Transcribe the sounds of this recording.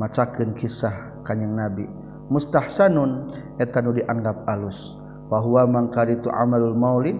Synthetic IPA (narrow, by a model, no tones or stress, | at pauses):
mat͡ʃakɨnkʰisah | kaɲəŋnabi | must̪ahsanun | ɛt̪anudiʔaŋɡap̚alus | waɦuamaŋkaɾit̪uʔa̰malulmawli